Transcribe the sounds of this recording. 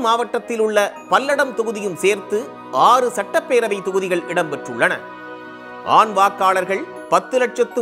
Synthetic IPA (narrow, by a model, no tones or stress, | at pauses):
maːʋɐʈːɐt̪ːɪlʊɭːɐpɐlːɐɽɐmt̪ʊɣɯðɪjɯmseːɾt̪ɯ | aːrɯsɐʈːɐpːeːɾɐʋɐɪt̪ʊɣɯðɪɣɐɭʔɪɽɐmpɛʈrɯɭːɐnɐ̰ | ʔa̰ːnʋaːkːaːɭɐɾɣɐɭ | pɐt̪ːɯlɐʈ̚t͡ʃɐt̪ːɯ